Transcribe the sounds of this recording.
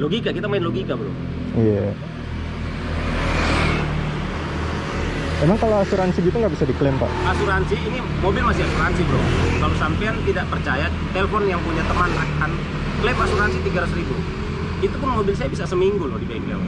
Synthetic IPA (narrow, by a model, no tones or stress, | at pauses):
loɡikakit̪amaɪnloɡikabəlɔ̰m | ija̰ | emaŋkaloasuɾansiɡit̪uŋɡaʔbisadiklɛmpa̰ʔʔasuɾansiːni | mobɪlmasiasuɾansibəlɔŋkalosampɛant̪idaʔpərt͡ʃaja | t̪eləfɔnjaŋpuɲat̪əmanlakan | klɛmasuɾansit̪iɡaɾasɾibu | it̪upʊnmobɪlsajabisasəmiŋɡulɔhdibaiŋɡal